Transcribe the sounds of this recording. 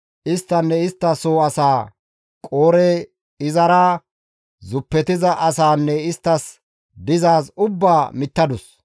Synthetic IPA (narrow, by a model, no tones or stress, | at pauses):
ʔɪst̪ːɐnːɛɪst̪ːɐsoːɐsaː | kʼo̞ːɾɛ | ɪzɐɾaː | zʊpːɛt̪ɪzɐʔɐsaːnːɛɪst̪ːɐs | d̪ɪzaːsʊbːaːmɪt̪ːɐd̪ʊs